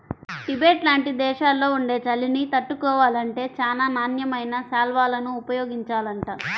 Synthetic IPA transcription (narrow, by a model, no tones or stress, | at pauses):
ʈibeːʈlaːɳʈid̪ɛːʂaːlːo̞ːuɳɖe̞ːt͡ʃɐlːinit̪ɐʈːukɔːʋaːlɐɳʈe̞ːt͡ʃaːnaːnaːnjɐmɐjnɐsaːlʋaːlɐnuːpɐjoːɡiɲt͡ʃaːlɐɳʈaː